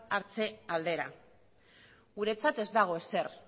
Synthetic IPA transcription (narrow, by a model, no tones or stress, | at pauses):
aɾt͡se̞ald̪e̞ɾa | ɣuɾe̞t͡sat̪e̞zd̪aɣ̞o̞e̞se̞r